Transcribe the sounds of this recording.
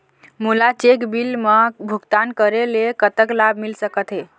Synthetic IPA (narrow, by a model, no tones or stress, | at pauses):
mulat͡ʃekbilmebʱuɡt̪ankəɾelekət̪əklab̚ʱmilsəkət̪ɦe